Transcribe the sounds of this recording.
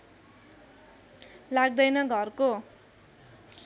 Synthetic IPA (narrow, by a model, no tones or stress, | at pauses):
laɡ̚d̪ʌjnʌɡʱʌrko